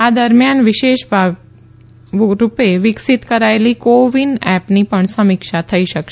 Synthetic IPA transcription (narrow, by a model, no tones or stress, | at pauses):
ad̪əɾmjanʋɪʃeʃbʱaɡ | ɾupeʋɪksit̪kəɾaelikoʋinɛpnipəɳsəmikʃat̪ʰəiʃəkʃe